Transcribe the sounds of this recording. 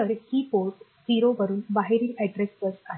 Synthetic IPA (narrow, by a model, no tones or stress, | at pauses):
əɾhiːpoɾʈ | d͡ziɾoʋəɾuːnbaɦeɾiːʔɛɖɾest͡səɾsaɦ